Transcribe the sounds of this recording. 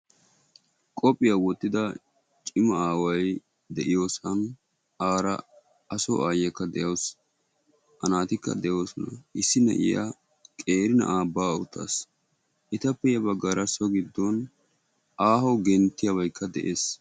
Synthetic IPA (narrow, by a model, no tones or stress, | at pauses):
kʼɔpʼːɪjɐwɔt̪ːɪd̪ɐ | t͡ʃʼɪmɐaːwɐj | d̪ɛʔɪjoːsɐn | aːɾɐ̰ | ɐsɔ̰ʔaːjɛkːɐd̪ɛjɐws | ɐnaːt̪ɪkːɐ̰d̪ɛjoːsɔnɐ̰ɪsːɪnɛ̰ʔɪ̰ja̰ | kʼe̞ːɾɪnɐ̰ʔaːbaːʊ̰t̪ʰːɐ̰ːs | ʔɪt̪ɐpːɛjɐbɐɡaːɾɐsɔɡɪd̪ːɔn | aːɦɔɡɛnt̪ːɪjɐβɐjkʰːɐd̪ɛ̰ʔe̞ːs